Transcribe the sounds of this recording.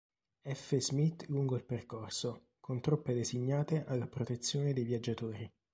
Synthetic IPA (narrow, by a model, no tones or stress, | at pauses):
ɛfːezmit̪ːluŋɡoilperkorso | kʰont̪ɾopːed̪eziɲːaːt̪eʔalːapɾot̪et̪sːjoːned̪ejvjad͡ʒːat̪oːɾi